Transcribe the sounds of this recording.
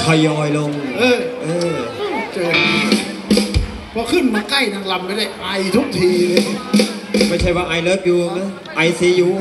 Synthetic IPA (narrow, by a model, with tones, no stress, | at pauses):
kʰɔ˧˩jːɔː˧jlo˧ŋʔɤː˧˩ʔɤː˧˩˥t͡ɕɤː˧˩˧ | pʰɔː˧kʰɯ˧˩nmaː˧ka˥˩jnʰa˧˩ŋla˧˩mpa˧˩da˧˥˩jʔa˧jt̪ʰu˦˥k̚t̪ʰiː˧lɯ˧ | ma˥˩jt͡ɕʰa˥˩jwaː˧ʔa˧˩jlɤː˦˥˩p̚juː˧o˧ŋna˦˥˨ | ʔa˧jsi˧˦˥juː˧